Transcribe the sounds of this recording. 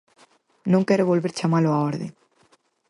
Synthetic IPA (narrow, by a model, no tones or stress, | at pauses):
nõŋkɛɾʊβolβeɾt͡ʃamalʊaɔɾðɪ̰